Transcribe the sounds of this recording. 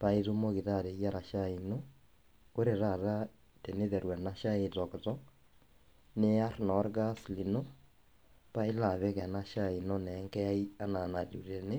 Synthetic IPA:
pa˨e˦ðu˦mo˦ɣi˨ða˦˨ɾe˨ja˦ɾa˨ʃa˦i˨no˦ | ko˦ɾe˨ɾa˨ɾa˦ | te˨ne˦ðɛ˨ɾwɛ˨na˦ʃa˦etɔ˨ktɔ˦ | ne˦a˦ɾnɔ˨˦ɾɡa˦sli˨no˦ | pa˦e˦la˨βɛ˦ɣɛ˨na˦ʃa˦i˨no˦nɛ˨˦ŋkɛ˦a˦i˦a˦na˨na˨ɾu˨ɾe˨ne˦

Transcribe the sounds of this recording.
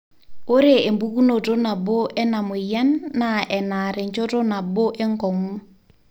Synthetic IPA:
o˦ɾe˦˨e˨mbu˦ku˦no˨to˦na˨bo˦ʔɛ˦na˨mʊ˨ja˦nːa˨ʔɛ˨na˨ɾe˨ɲt͡ʃo˦to˦na˨bo˦ʔe˦ŋkɔ˨ŋu˦

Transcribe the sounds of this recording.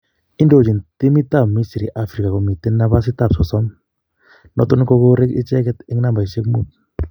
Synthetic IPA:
ɪ˦ndo˨t͡ʃi˨nti˦mi˦ta˦˨mːi˦si˨ɾi˨ʔa˦fɾi˨ka˨kɔ˨mi˨te˦na˦βa˦s̬ɪ˦ta˨psɔ˨sɔ˦m | nɔ˦tʊ˦nkɔ˦ko˦ɾɪ˦kɪ̰˦t͡ʃɛ˦kɛ˦t̪ɪ˦ŋna˦mba˨i˨se˦kmu˦t̚

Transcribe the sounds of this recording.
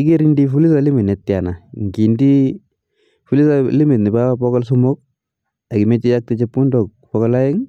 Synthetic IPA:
i˦ke˦ɾindi˦fu˦li˦sa˦li˦mi˨ne˨tːja˨na˨ŋɡi˨ndi˦ | fu˦li˦sa˦li˦mi˨tni˨baa˦pɔ˦kɔ˦lsu˦mo˦k̚ | a˨ki˨me˦t͡ʃi˦ja˦k̚te˦t͡ʃepːu˦ndɔ˨k̚pɔ˦kɔ˦la˦ɪ˦ŋ

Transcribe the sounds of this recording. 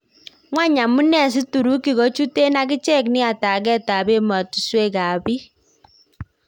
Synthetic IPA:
ŋwa˦ɲa˨mu˦nɛ˨s̬i˦tu˨ɾu˦ki˨ɣɔ˨˦t͡ʃu˦te˦na˦ki˦t͡ʃɛ˦˨knɪ˦a˨ta˨k̬ɛ˦ta˨be˦ma˨tu˨swe˦ka˨bi˦

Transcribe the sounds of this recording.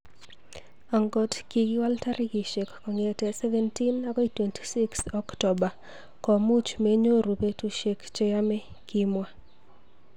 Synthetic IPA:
a˨ŋɡɔ˦tki˨ɡi˦wa˦lta˦ɾi˦ɡi˨ʃe˨kːɔ˨ŋɛtɛ˨sɛ˦vɛ˦nti˦na˦ɡɔ˦itwenti̥˨si˦ksɔ˦ktɔ˨ba˨ | kɔ˨mu˦t͡ʃme˦ɲo˦ɾu˨pe˦tu˦ʃe˨kt͡ʃe˦ja˦mɛ˦ | ki˦mwa˦

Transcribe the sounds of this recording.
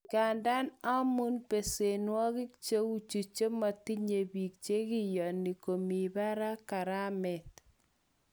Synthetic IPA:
ka˨nda˦na˦mu˦npe˨se˨nwɔ˦kɪ˦k̚t͡ʃe˦u˦t͡ʃu˨t͡ʃe˦ma˨ti˦ɲe˨bi˨k̚t͡ʃe˦kijɔ˨ni˨ko˨mi˨ba˦ɾa˦ka˨ɾa˦mɛ˨t

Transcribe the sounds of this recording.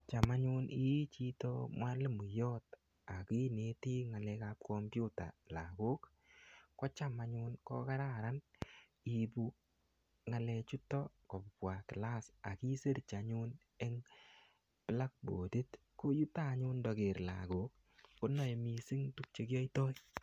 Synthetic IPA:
t͡ʃa˨ma˦ɲu˦ni˦t͡ʃi˦to̰˦mwa˦le˦mu˨jɔ˦t | a˨ki˦ne˦ti˦ŋa˨lɛ˧ka˦p̚kɔmpju˦ta̰˨la̰˨ɡo˦kː | ɔ˦t͡ʃa˦ma˨ɲʊ˦nkɔ̰˦ka˦ɾa˦ɾa˦n | i˧pu˦ | ŋa˨lɛ˧t͡ʃu˦tɔ˦kɔ˨ppwa˨kla˦sa˨ki˦se˦ɾt͡ʃa˨ɲun | e˦ŋ | pɪ˨la˦k̚bo˨di˦t | ko˦ju˦ta˦ɲʊ˦ndɔ˨ɡe˨ɾla̰˨ɡo˨k̚ː | o˦nɔ˦˨jmi˨si˦ŋtu˦k̚t͡ʃe˦kjɔ˦i˦tɔ˦j

